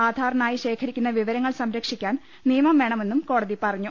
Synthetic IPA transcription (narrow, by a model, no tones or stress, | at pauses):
aːd̪ʱaːɾɐɳaːjiɕe̞ːkʰɐɾikʲːunːɐʋiʋɐɾɐŋːɐɭsɐmɾɐkʂikʲːaːn | nijɐmɐmʋe̞ɳɐme̞nːumko̞ːɽɐðipɐrɐɲːu